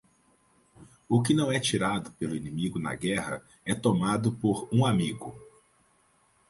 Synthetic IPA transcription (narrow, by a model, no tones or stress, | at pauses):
ʊkɪnɐ̃w̃ɛt͡ʃiɾad̪ʊpelʊinimiɡʊnɐ̰ɡɛhɐ̰ | ɛt̪omad̪ʊpoɾũamiɡʊ